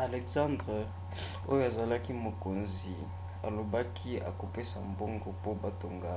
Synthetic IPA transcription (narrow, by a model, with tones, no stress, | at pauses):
a˨le˨ksã˦ndʁe˨ | o˦jo˦a˨za˨la˦ki˦mo˨ko˨nzi˨ | a˨lo˨ba˦kʰi˦a̰˨ko˨pe˦sa˨mbo˦ŋɡo˨po˦ba˦to˨ŋɡa˦